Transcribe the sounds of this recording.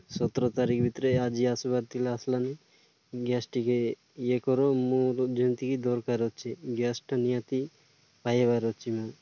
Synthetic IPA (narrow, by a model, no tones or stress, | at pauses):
sɔt̪ɾɔt̪aɾikʰbʱit̪ɾead͡ʒiasubaɾt̪ilaaslani | ɡɛsʈike | jekɔɾomuɾd͡ʒint̪ikid̪ɔɾkaɾɔt͡ʃʰeɡɛsʈnijat̪i | pajebaɾɔt͡ʃimu